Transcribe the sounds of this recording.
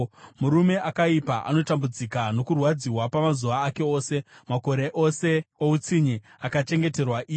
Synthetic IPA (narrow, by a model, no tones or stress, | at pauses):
muɾume̞ʔakaipaʔa̰no̞tambud͡zikano̞kurwad͡ziwapamazuʋaːke̞o̞ːse̞mako̞ɾe̞ʔo̞se̞out͡siɲi | akat͡ʃe̞ŋɡe̞te̞rwaʔiː